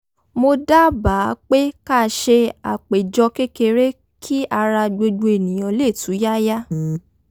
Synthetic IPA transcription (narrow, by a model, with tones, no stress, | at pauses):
mo˧da˦ba˨˦k͡pe˦ka˦˨ʃe˧a̰˨k͡pe˨d͡ʒɔ˧ke˦ke˧ɾe˦ | kʰi˦a˧ɾa˧ɡ͡bo˧du˧e˨nĩ˨j̃ɔ̃˨˦le˦˨tu˨˦ja˦ja˦